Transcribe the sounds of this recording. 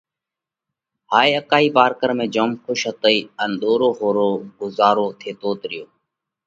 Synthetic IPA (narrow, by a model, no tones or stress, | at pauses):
ɦaːiːəkaːiːpaːɾkəɾmẽːd͡ʒoːmxʰʊʃɦət̪əiːənɗ̪oːɾoːɦoːɾoːɡʊzaːɾoːt̪ʰeːt̪oːt̪ɾɪjoː